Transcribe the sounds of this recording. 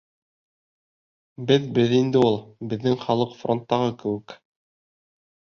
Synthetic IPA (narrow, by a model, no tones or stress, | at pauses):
bɘðbɘðind̪ɘulˠbɘ̆ðːɘŋχɑlˠɤqfront̪ːɑʁɤkɘ̆wɘ̆k